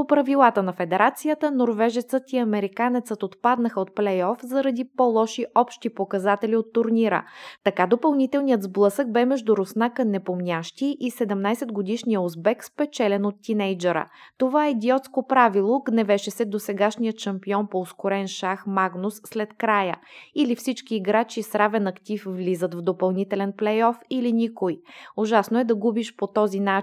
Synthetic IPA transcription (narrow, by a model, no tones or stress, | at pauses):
opɾɐvilˠat̪ənɐfɛd̪ɛɾat̪sijət̪ənoɾvɛʒɛt̪sət̪iɐmɛɾikanɛt̪sət̪ot̪pad̪nəxəot̪̚plɛjɔfzəɾɐd̪ipɔlˠɔʃiʔʔɔpʃt̪ipokɐzat̪ɛliot̪ːʊɾniɾə̰t̪ɐkad̪opɐlˠnit̪ɛlˠnijət̪zblˠɤsək̚bɛmɛʒd̪uɾosnakɐnnɛpomnʲaʃt̪iʔisɛd̪ɛmnajsɛd̪ɡod̪iʃnijəozbɛkspɛt͡ʃɛlɛnot̪ːinɛjd͡ʒɛɾə̰t̪ovaɛid̪iɔt̪skopɾavilˠoɡnɛvɛʃɛsɛd̪osɛɡaʃnijət̪ʃɐmpiɔnpoːskoɾɛnʃaxmaɡnʊsːlɛt̪kɾajəilifsit͡ʃkiːɡɾat͡ʃisɾavɛnɐkt̪ifvlizət̪vd̪opɐlˠnit̪ɛlɛnplɛjɔfilinikojoʒasnoɛd̪ɐɡubiʃpot̪ɔzina